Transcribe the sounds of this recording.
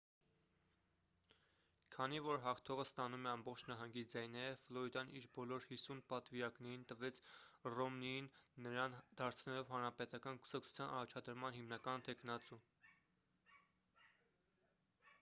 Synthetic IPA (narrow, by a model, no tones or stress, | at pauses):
kʰɑnivɔɾɦɑχt̪ʰɔʁəst̪ɑnumɛɑmbɔχt͡ʃʰnɑɦɑŋɡid͡zɑjnɑjɛvflɔɾid̪ɑnʔiɾbɔlɔɾhisunpɑt̪viɾɑknɛɾint̪əvɛt͡sʰrɔmnijinːəɾɑnd̪̥ɑɾt͡sʰnɛlɔvɦɑnɾɑpɛt̪ɑkɑnku̥sɑk̚t͡sʰu̥t͡sʰjɑnɑ̰rɑt͡ʃʰɑd̪əɾmɑnhimnɑkɑnt̪ʰɛknɑt͡su